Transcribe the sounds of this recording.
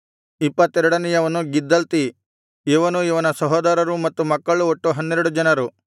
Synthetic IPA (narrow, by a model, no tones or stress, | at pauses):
ipːɐt̪ːɛɾɐɽɐnɛjɐʋɐnuɡid̪ːɐlt̪i | iʋɐnuiʋɐnɐsɐɦɔːd̪aːɾɐɾumɐt̪ːumɐkːɐɭuoʈːuɦɐnːɛɾɐɽud͡ʒɐnɐɾu